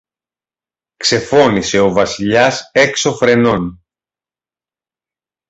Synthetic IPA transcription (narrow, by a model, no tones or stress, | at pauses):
kse̞fo̞nise̞o̞vɐsiʎɐse̞kso̞fɾe̞no̞n